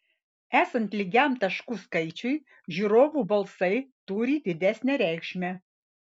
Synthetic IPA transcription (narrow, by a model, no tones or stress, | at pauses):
æːsɐnt̪lʲɪɡʲæmt̪ɐʃkuːskɐɪt͡ʃʲʊj | ʒʲuːɾoːʋuːbɐlˠsɐɪt̪uɾʲiːd̪ʲɪd̪ʲæsʲnʲɛɾʲæˑɪkʃʲmʲɛ